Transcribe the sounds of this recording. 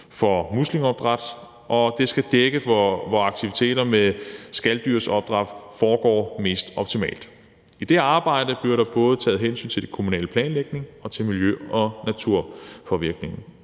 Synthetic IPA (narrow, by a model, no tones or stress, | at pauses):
fɒ̽muslimɒ̽b̥̚d̥ʁɑd̥ | ʔɒ̽d̥e̝sɡ̥æd̥eɡ̥əʋɒɑ̈ɡ̥̚t͡sʰiʋit͡sʰe̝̰ːɾ̥ɐmesɡ̥æld̥yɐsɒ̽b̥̚d̥ʁɑ̈d̥fɒːɡ̥ɒ̰ːme̝̰ːsd̥ɒ̽b̥t͡sʰimɛ̰ːld̥ | id̥e̝ɑ̈ːb̥ɑ̈ɪ̰d̥əb̥liɐɾɑ̈b̥ɔ̽ːð̞ˠt͡sʰɛ̰ːð̩ˠɦensy̰ːnt͡sʰe̝ld̥ekʰo̝munɛ̰ːləpʰlɛ̰ːnleɡ̥̚ne̝ŋɒ̽t͡sʰe̝lmiljøɒ̽næt͡sʰuɐ̰fɒ̽ʋiɐɡ̥ne̝ŋn̩